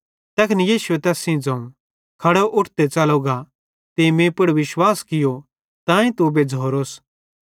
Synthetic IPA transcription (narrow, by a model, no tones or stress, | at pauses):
t̪ɐkʰnijiːsʊwet̪ɛːsĩd͡zɐ̃ːũ | kʰɐɽoʔʊʈʰt̪et͡sɐloɡa | t̪emẽpʊɽʋɪʃwaːskɪjo | t̪ãːĩt̪ubed͡zʱoːɾoːs